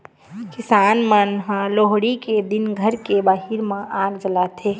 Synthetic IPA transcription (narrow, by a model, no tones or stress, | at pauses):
kɪsaːnmənɦãloɦɽiked̪inɡʱəɾkebaːɦiɾmẽʔaːɾd͡ʒəlat̪ʰe